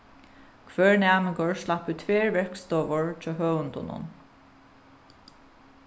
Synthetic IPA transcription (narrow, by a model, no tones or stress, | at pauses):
kʰvœːɹnæːmɪŋkɔɹslapʉːt̪ʰveːɹvɛɹkst̪ɔːʋɔɹt͡ʃɔɦœːwʊnt̪ʊ̰nʊ̰n